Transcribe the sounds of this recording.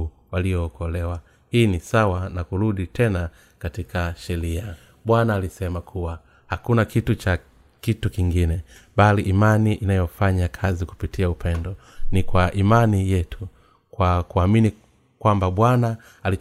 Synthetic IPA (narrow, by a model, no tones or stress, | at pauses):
waliɔːkɔlɛwa | hiːnisawanakuɾuɗitʰɛna | katikʰaʃɛɾia | ɓwanaːlisɛmakʰuwa | hakunakitut͡ʃa | kitukiŋɡinɛ | ɓaliʔːmaniʔinajɔfaɲakʰaziku̥pitʰiaupɛndɔ | nikwaʔimanijɛtʰu | kwakuamini | kwambaɓwanaː | li